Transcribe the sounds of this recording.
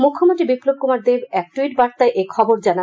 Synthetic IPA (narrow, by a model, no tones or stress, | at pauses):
mukʰːomoʈibiplob̚komaɾd̪ebɛk̚ʈwiʈbaɾt̪aeʔekʰɔboɾd͡ʑana